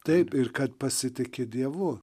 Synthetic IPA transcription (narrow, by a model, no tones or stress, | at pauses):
t̪ɐɪpɪrkɐt̪̚pɐsʲɪt̪ʲɪkʲɪd̪ʲiɛʋʊ